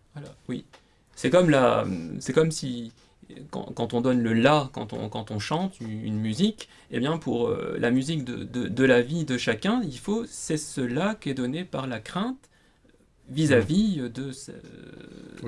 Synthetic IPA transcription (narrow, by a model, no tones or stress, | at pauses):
alɔwi | sɛkɔmlasɛkɔmsi | kɑ̰̃kɑ̃t̪ɔ̃d̪ɔnləlakɑ̰̃t̪ɔ̰̃kɑ̃t̪ɔ̃ʃɑ̃t̪yy̰nmyzik | ebjɛ̃pʰuʁø̰lʔa̰myzikd̪ə̰d̪əd̪əlavid̪əʃakʲɛ̃ilfosɛsəlakɛd̪ɔnepaʁlakχɛ̃t̪ | vizavid̪əsɛ̰